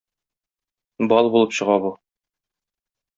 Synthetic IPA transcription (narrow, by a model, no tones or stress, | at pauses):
bɒlˠbulˠɤpɕɤ̆ʁɑbu